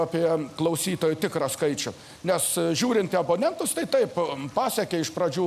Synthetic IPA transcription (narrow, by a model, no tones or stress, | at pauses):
ɐpʲiɛklˠɐʊsʲiːt̪oːjʊt̪ʲɪkɾɐskɐɪt͡ʃʲʊ | nʲɛsʒʲuːɾʲɪnt̪ʲɪɐboːnʲɛnt̪ʊst̪ɐɪt̪ɐɪppɑːsʲɛkʲeɪʃpɾɐd͡ʒʲuː